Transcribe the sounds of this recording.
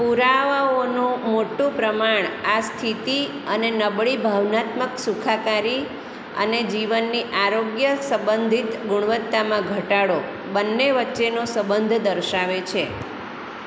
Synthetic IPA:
puɾaʋaonũmoʈũpɾəmaɳ̃ast̪ʰit̪i | ənenəbɭibʱaʋnat̪məksukʰakaɾi | ə̰ned͡ʒiʋənːiʔaɾoɡjəsəbənd̪ʱit̪ɡuɳ̃ʋət̪ːamãɡʱəʈaɽo | bənːeʋətːʃenosəbənd̪ʱd̪əɾʃaʋet͡ʃʰe

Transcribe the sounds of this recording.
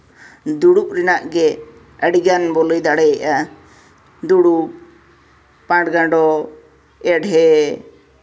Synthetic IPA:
d̪uɽupɾinaʔɡɛ | əɽiɡanbɔlɔjd̪aɽɛjaʔa | d̪uɽu | pãʈɡãɖɔ | ɛɖɦɛ

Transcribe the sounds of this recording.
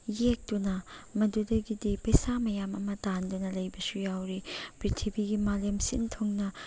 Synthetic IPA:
jek̚tunɐmɐdudɐɡidipɐjsamɐjamɐmɐtandunɐlɐjbɐsujawɾipɾitʰibiɡimalemsḭntʰoŋnɐ

